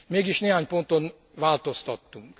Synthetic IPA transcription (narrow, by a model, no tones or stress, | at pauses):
meːɡiʃneːɦaːɲpo̞nt̪o̞n | ʋaːlt̪o̞st̪ɒt̪ːuŋk